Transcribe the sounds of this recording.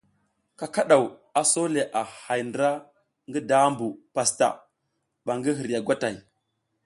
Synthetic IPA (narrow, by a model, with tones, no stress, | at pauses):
ka˦ka˦ɗa˨wa˨so˦le˨ʔa˨ha˨jndɾa˦ | ŋɡi˦da˦mbu˨pa˨sta̰˨ | ɓa˨ŋɡi˦ɦi˨ɾja˨ɡʷa˦ta˨i˨